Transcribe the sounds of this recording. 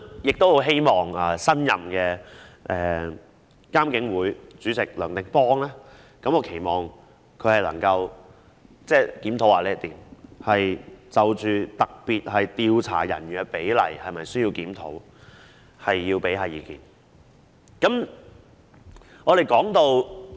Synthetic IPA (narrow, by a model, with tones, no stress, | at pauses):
jɪ˨k̚t̪o˥who˨˥wɦe˥jmɔː˨ŋɐː˨˩sɐ˥njɐ˨mkɛː˧ʔɛː˨ | kaː˥mkɪ˨˧˥ŋwuː˨˥jt͡syː˨˥t͡sɪ˨k̚lœː˨˩ŋt̪ɪ˨ŋpɔː˥ŋlaː˥ | kɐ˨˥mɔː˨˧kʰe˨˩jmɔː˨ŋ | kʰɵ˨˧hɐ˨jlɐ̰˨˩ŋkɐ˧w | t͡sɛː˥˩kiː˨˥mt̪ʰo˨˥waː˨˩lɛː˥t̪iː˨mhɐ˨jt͡sɐ˨wt͡ʃyː˨t̪ɐ˨k̚piː˨t̚hɐ˨jt̪iː˧wt͡sʰa̰ː˨˩jɐ̰˨˩nː˨˧pe˨˥jlɐ̰˨˩jhɐ˨jmɐ˨jsɵ˥jiː˧wkiː˨˥mt̪ʰo̰˨˥w | hɐ˨jːiː˧wpe˨˥jhaː˨˧jiː˨˧kḭː˨˩n | kɐ˨˥m | ŋɔː˨˧ɾe˨jkɔː˨˥ŋt̪o˧w